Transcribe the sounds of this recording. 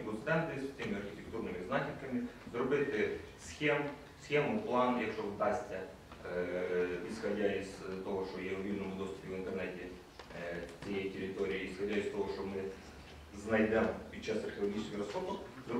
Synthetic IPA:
pʊt̪sɛnt̪ɨsʲsʲt̪ʲemʲɪɐrxʲɪtʲɪkt̪urnɨmʲɪznatʲɪrkɐmʲɪzɾʊbɪt̪ɪ | sxʲem | sxʲemʊplˠanjɐkʂovd̪asʲtʲɐ | isxɐdʲaist̪oɦoʂt̪ojeʊjʲinəmʊd̪ost̪ʊ̥pʲɪvɪnt̪ɛrnɛtʲɪ | t͡sʲijetʲɪɾʲɪt̪oɾʲɪːisxɐdʲaist̪oɦoʂt̪omɨ | znɐjd̪ɛmpʲit͡ɕːast̪ɐrxʲɪlˠɐɡʲit͡ʃɪ̥skʲɪɾɐsobləsʲt̪ʲ | zɾ

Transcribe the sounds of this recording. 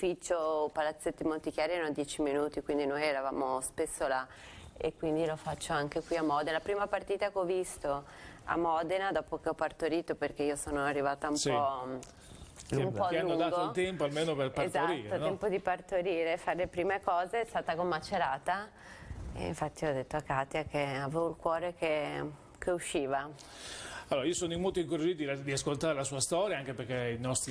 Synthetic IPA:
fit͡ʃːopalat̪sːet̪ːimolt̪ikjaːɾiɛɾanod̪jɛːt͡ʃiminuːt̪ikwind̪inojɛɾava̰ːmospesːola | ḛkːwind̪ilofat͡ʃːoaŋkekwiamɔd̪enlapɾiːmapart̪iːt̪akeɔvist̪o | a̰mːɔd̪enad̪ɔːpokeɔpːart̪oɾiːt̪operkeiːosoːnoarːivaːt̪aumpɔ | umpɔlialunːoŋd̪aːɡt̪oilt̪ɛmpoalmeːnoperpaetzaoɾiːɾonɛmpod̪ipart̪oɾiːɾefaɾelepɾiːmekɔːzeɛst̪aːt̪akomːat͡ʃːeɾaːt̪a | ḛḭɱfat̪ːiɔd̪ːet̪ːoakːaːt̪jakeaveːvoilkwɔːɾek̟e | kʰeuʃːiːva | alːoɾaiːosoːnoimːolt̪oiŋkuɾad͡ʒit̪d̪id̪iaskolt̪aːɾelasuːast̪ɔːɾjaaŋkepekeinɔst̪ɾ

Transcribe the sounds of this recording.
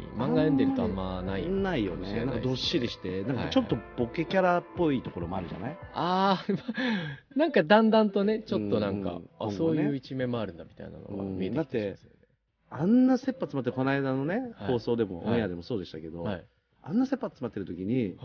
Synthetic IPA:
mãŋɡajõnd̪e̞ɾɯ̟t̪oamːanainaijo̞̰nesaŋkad̪o̞ɕːid̪ʲeɕi̥t̪e̞nãŋkat͡ɕo̞t̪ːo̞b̥o̞ke̞kʲaɾapːo̞iːt̪o̞ko̞ɾo̞mo̞aɾɯ̟d͡ʑa̰naiaːma | nãŋkad̪ãnd̪ãnt̪o̞ne̞t͡ɕo̞t̪ːo̞nãŋka̰aoŋɡso̞ːjɯ̟ːit͡ɕime̞moaɾɯ̟̃nd̪amʲi̥t̪a̰ḭna̰no̰ãmied̪ed̪at̪ːe̞s | ãnːase̞pːat͡sɨmat̪ːeko̞naid̪ano̞ne̞ho̞ːso̞ːd̪e̞mo̞̰ʔõ̰jad̪e̞mo̞so̞ːd̪e̞i̥t̪ake̞d̪o̞ai | ã̰nːase̞pːat͡sɨmat̪ːeɾɯ̟t̪o̞kʲiɲ̟i

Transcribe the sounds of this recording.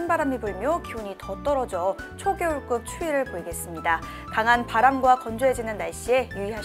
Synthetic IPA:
nbaɾamiboɭmjʌkiuɲitʌt͈ʌɾʌd͡ʑʌt͡ɕʰoɡjʌuɭk͈uk̚t͡ɕʰuiɾɯɭpoiɡe̞s͈ɯmɲida | kaŋɦanpaɾamɡwakʌnd͡ʑoed͡ʑinɯnːaɭɕ͈ie̞juiɦaɕ

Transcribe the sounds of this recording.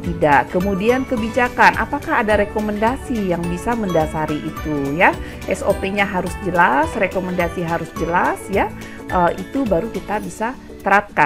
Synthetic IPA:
t̪idaʔkəmudiankəbid͡ʒakanʔa̰pakahadaɾekoməndasijaŋbisaməndasaɾiʔit̪uja | ʔɛsopeɲaɦaɾʊsd͡ʒəlasrekoməndasiɦaɾʊsd͡ʒəlasja | ʔəʔit̪ubaɾukit̪abisa | t̪əɾap̚ka

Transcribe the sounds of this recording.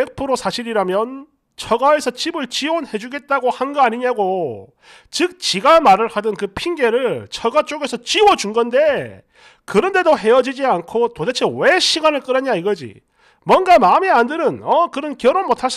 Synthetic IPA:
ek̚pʰɯɾosʰaɕʰiɾiɾamjʌn | t͡ɕʰʌɡae̞sʰʌt͡ɕibɯɭt͡ɕionhe̞d͡ʑuɡe̞t̚t͈aɡohanɡʌaɲiɲaɡo | t͡ɕɯk̚t͡ɕiɡamaɾɯɭhadɯnkɯpʰinɡe̞ɾɯɭt͡ɕʰʌɡat͡ɕ͈oɡe̞sʰʌt͡ɕiwʌd͡ʑunɡʌnde̞ | kɯɾʌnde̞doɦe̞jʌd͡ʑid͡ʑiankʰotodet͡ɕʰewe̞ɕʰiɡanɯɭk͈ɯɾʌɲaiɡʌd͡ʑḭ | mwʌnɡamaɯmieandɯɾɯnʌkɯɾʌnkjʌɾonmotʰas͈

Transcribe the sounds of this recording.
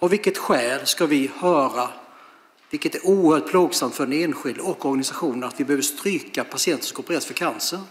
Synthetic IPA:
avɪlkːət̪ɧɛːlskavɪhœːɾa | vɪlkət̪æɾuːəɾhœːʈ̚pʰluːɡsamt̪fœɾɛneːnɧɪld̪ɔkːɔɾɡanɪsaɧuːnɾat̪vɪbɛhøːvəʂt̪ɾyːkapʰasɪɛnt̪ə̥ʂkɔpəɾɛːsfœkʰansəɾ

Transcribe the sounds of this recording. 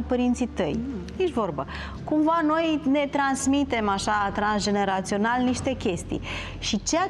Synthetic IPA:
pəɾint̪sit̪əjjeʃvo̞rbə | kumvano̞jne̞t̪ɾansmit̪e̞maʃat̪ɾansd͡ʒe̞ne̞ɾat̪sio̞nalniʃt̪e̞kʲe̞st̪ḭj | ʃit͡ʃea

